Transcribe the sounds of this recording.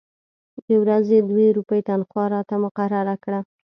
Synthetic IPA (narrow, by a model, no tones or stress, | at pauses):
d̪əwɾazed̪weɾupəjet̪anxwɑɾɑt̪amʊqaɾaɾakɽa